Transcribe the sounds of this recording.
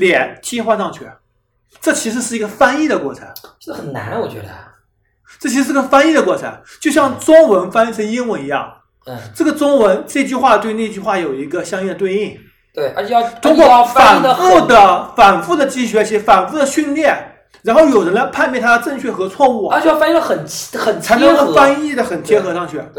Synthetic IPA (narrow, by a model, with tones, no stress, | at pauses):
ljɛ˨˩˦nt͡ɕi˥xwa˥˧ʂɑ˥˧ŋt͡ɕʰɥy̰˥˩ | ʈ͡ʂɤ˥˩t͡ɕʰi˧˥ʂɻ̩˧˥ʂ̬ɻ̩˥˩i˧˥ɡə˧fa˥ni˥˩d̪ə˩kwɔ̰˥˩t͡sʰə̰˧˥˦n˥˩ | xə˨˩nna̰˧˥nwɔ˨˩t͡ɕɥɛ̰˧˦d̪ə˧ | ʈ͡ʂɤ˥˩t͡ɕʰi˧˥ʂ̩˧˥˧ə˧fa˥ni˥˩d̪ə˩kwɔ˥˩t͡sʰə̰˧˥nt͡ɕjo˥˧ʊɕjɑ˥˩ŋʈ͡ʂʊ˥ŋwə˧˥nfa˥ni˥˩t͡sʰə˧˥ni˥ŋwə˧˥ni˧˥jɑ̰˥˩ŋ | ʈ͡ʂɤ˥˩ɡə˩ʈ͡ʂʊ˥ŋwə˧˥nʈ͡ʂɤ˥˧ɪt͡ɕy˥˧xwa˥˧t̪we˥˧ɪne˥˧ɪt͡ɕy˥˧xwa˥˩jo˨˩ʊi˧˥ɡə˧ɕjɑ˥ŋji˥˩d̪ət̪we˥˧i˥˩ŋ | we˧˩˧t͡ɕʰɛ˧jt̪ʰʊ˥ŋkwɔ˥˩a˨˩˥nfu˥˩d̪ə˩fa˨˩nfu˥˩d̪ə˩t͡ɕi˧˥ɕɥɛ˧˥t͡ɕʰi˧˥˩fa˨˩nfu˥˩d̪ə˩ɕy˥˧nljɛ˥˩n | ɻa˧˥nxo˥˩ʊjo˨˩ʊɻə˧˥nla˧ɪpʰa˥˧nmjɛ˥˩nt̪ʰa˥d̪ə˧ʈ͡ʂɤ˥˧ŋt͡ɕʰɥɛ˥˩xɤ˧˥t͡sʰwɔ˥˧u˥˩ə˞˧˥ɛ˧jfa˥lə˧xə˨˩n˥xə˨˩nt͡sʰa˥˧fa˥ni˥˩d̪ə˩xə˨˩nt̪ʰjɛ˥xɤ˧˥ʂʰɑ˥˧ŋɕʰɥɛ̰˧˥˩